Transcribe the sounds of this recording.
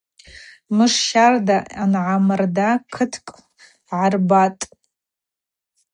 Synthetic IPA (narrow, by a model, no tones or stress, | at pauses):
mɨʂʃardaanʕamɨrdakʰɨtʰkʼ | ʕarbatʼ